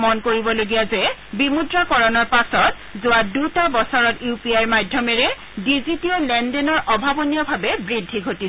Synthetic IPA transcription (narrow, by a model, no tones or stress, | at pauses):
mɔnkoɹibɔloɡijazɛbimudɹakɔɹɔnɔɹpasɔt̚ | zʊwadutabɔsɔɹɔtjupiaɹmadʱjɔmɛɹɛ | dizitiɔlɛndɛnɔɹʔɔbʱabɔnijɔbʱabɛbɹidʱːiɡʱoti